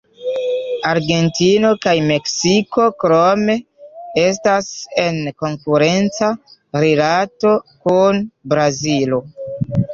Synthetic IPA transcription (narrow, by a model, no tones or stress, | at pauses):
aɾɡe̞ntino̞kajme̞ksiko̞kɾome̞ | e̞s̬tase̞nko̞ŋkuɾe̞nt͡saɾelato̞kunbɾazilo